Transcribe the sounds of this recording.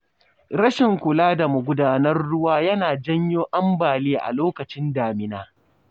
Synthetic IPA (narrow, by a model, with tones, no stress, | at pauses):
ɾɐ˦ʃɪ˨ŋkʷʊ˨laː˦da˨mʊ˨ɡʷʊ˦daː˦nɐ˦rːʊ˦waː˦jɐ˦naː˨d͡ʒɐ˦ɲjoː˦ʔɐ˦mbaː˨leː˦ʔa̰˨loː˦kɐ˨t͡ʃɪ˦ndaː˨mɪ˨naː˦